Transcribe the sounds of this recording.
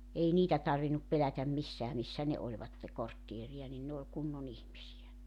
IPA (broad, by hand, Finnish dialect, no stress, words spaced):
ei niːtæ tɑrʋinup pelætæm misːæː misːæ ne olʲʋɑtːe kortːieriɑ nin ne olʲ kunːon ihmisiæ